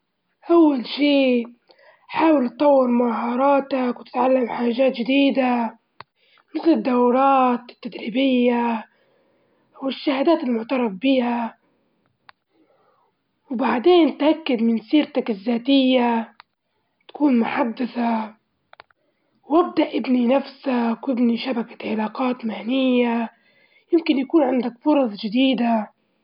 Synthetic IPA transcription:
ʔawːalʃiː | ħaːwɪlt̪t̪ˤːɑwːɪɾmaɦɑɾˤɑːt̪akwt̪ɪ̥t̪ʕalːamħaːʒaːt̪ʒɪd̪iːd̪a | mɪθlɪd̪ːawɾˤɑːt̪ɪt̪ːad̪ɾiːbɪjːa | wɪʃːahaːd̪aːt̪ɪlmʊʕt̪ɑɾˤɑbːiːha | wbaʕd̪eːnt̪ʔakːad̪mɪnsiːɾt̪akɪzːaːt̪ɪjːa | t̪ḁkuːnmʊħad̪ːaθa | wʔɪb̚d̪aʔɪbninafsawʔɪbniʃabakḁʕɪlaːqɑːt̪mahnɪjːa | jɪmkɪnjakuːnʕand̪akfʊɾˤɑsˤd͡ʒɪd̪iːd̪a

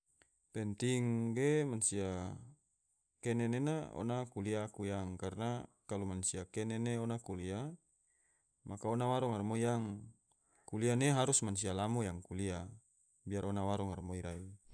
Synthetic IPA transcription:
pɛnt̪iŋɡemansia | kɛnenenao̰nakuliakujaŋkarnakalumansiakɛneneonakulia | makaonawaɾɔŋarmoijaŋ | kulianeɦaɾusmans̬ialamojaŋkulia | biarʔonawaɾɔŋarmoiɾai

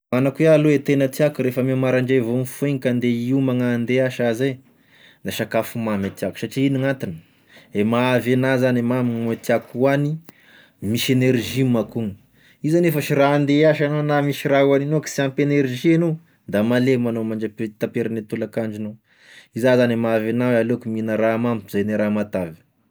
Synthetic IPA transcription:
anakwealoet̪enət̪iakuɾefəmemaɾaɳɖ͡ʐevonifueŋikand̪eiumaŋand̪eaʃaze | d̪aʃakafumamet̪iaku̥saʈ͡ʂiiniŋat̪inə̥ | emaavenazanemaminet̪iakuani | miʃeneɾʒimakuŋ | izanefaʃiraand̪eaʃanonamiʃiɾauaninoki̥siampeneɾʒieno | d̪amalemanomaɳd͡ʒat̪apeɾanet̪ulakaɳd͡ʒino | izazanemavenawalokuminəɾamampzajneɾamat̪avi̥

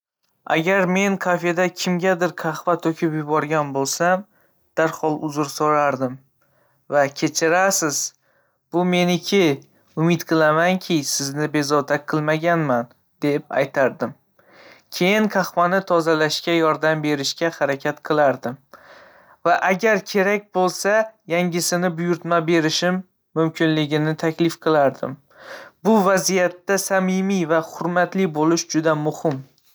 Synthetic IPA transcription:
a̰ɡʲaɾme̞ŋkʰafe̞d̪akʲʰɪmɡʲad̪ɪɾkʰɑχvat̪ʰɵkʲʰɪpjʊbɒɾɡʲanbolˠsam | d̪̥aɾhɒlˠʊzʊɾsoɾaɾd̪ɪm | vakʲʰe̞t͡ʃʰɪɾasɪz | b̥ʊme̞nɪkʲʰɪ | ʊmɪt̪qʰɨlˠamaŋkʲʰɪsɪznɪbe̞zɒt̪ʰaqʰɨlˠmaɡʲanman | d̪̥e̞p̚a̰jt̪ʰaɾd̪ɪm | kʲʰe̞jɪŋkʰɑχpanɪt̪ʰɒzalaʃkʲajɒɾd̪ambe̞ɾɪʃkʲahaɾakʲʰat̪qʰɨlˠaɾd̪ɪm | vaʔaɡʲaɾkʲʰe̞ɾak̚ʲbolˠsajaŋɡʲɪsɪnɪbʊjʊɾt̪mabe̞ɾɪʃɪmː | ʊmkʲʰɪnlɪɡʲɪnɪt̪ʰakʲlɪfqʰɨlˠaɾd̪ɪ̰m | bʊvazijat̪ːasamɪmijvaχʊɾmat̪lɪbolɪʃd͡ʒʊd̪amʊhɪm

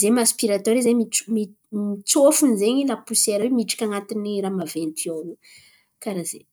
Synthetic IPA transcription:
zemaspiɾat̪ɔɾizemimi | mit͡sofunizeɲilapuseɾawemiʈ͡ʂḁkʲaŋat̪iniɾamavent̪ʰioɾu | kaɾaze

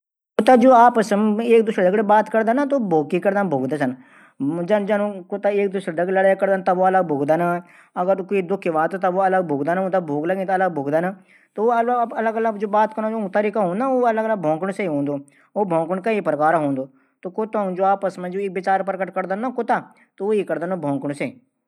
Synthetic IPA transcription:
kʊt̪aːd͡ʒoːaːpəsmeːk̚d̪ʊʃɾd̪əːɡɽeːbaːt̪kəɾd̪aːnat̪oːboːɡkiːkəɾd̪aːnbʱoːɡd̪aːsən | d͡ʒəd͡ʒanũːkʊt̪aːeːk̚d̪ʊʃɾd̪əkːləɽːjakəɾd̪aːnt̪aboːələɡ̚bʱoːɡd̪ana | əɡəɾkoiːd̪ʊkʰːʋaːt̪ːt̪aboːɐləɡbʱoːɡd̪aːnʊt̪aːbʱoːɡləɡĩːt̪ːləɡ̚bʱoːɡd̪anː | t̪oːələləɡələɡd͡ʒoːbaːt̪kəɾoːot̪əɾiːkaːɦõːnd̪ãoːələɡələɡbʱɔ̃ːŋkəɳseiɦõːnd̪oː | oːbʱɔ̃ːŋkəɳkəipɾəkaːɾaɦoːnd̪oː | t̪oːkʊt̪ãːd͡ʒoːaːpəsmẽːd͡ʒoːɪk̚bɪt͡ʃaːɾpəɾkəʈkəɾd̪anaːkʊt̪aː | t̪ooːiːkəɾd̪aːnoːbʱɔ̃ːŋkəɽ̃seː

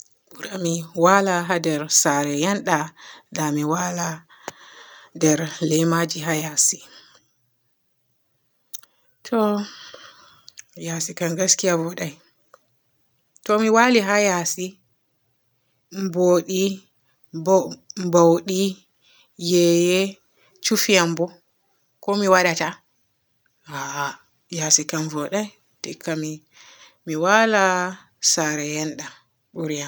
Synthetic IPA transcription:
buɾamiwalaɦadɛɾsaɾɛjanɗadamiwala | dɛɾlɛjmad͡ʒiɦajasi | tʰɔ | jasikaŋɡaskijabɔɗaj | tɔmiwaliɦajasi | mboɗi | mbawɗi | jɛjɛ | t͡ʃufijambɔ | kɔmiwaɗata | ha | jasikanvɔɗaj | tɛkami | miwala | saɾɛjɛnɗa | ɓuɾijan

